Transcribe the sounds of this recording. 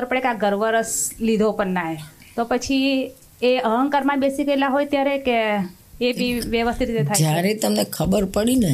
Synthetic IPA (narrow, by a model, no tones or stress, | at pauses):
əɾpəɽekaɡəɾʋəɾəslid̪ʱopəɳnaɦe | t̪opət͡ʃʰi | eəɦəŋkəɾmanbesikəelaɦojt̪jaɾekeː | bʱiʋjəʋəst̪ʰit̪ɾit̪et̪ʰajd͡ʒjaɾet̪əmnekʰəbəɾpəɽine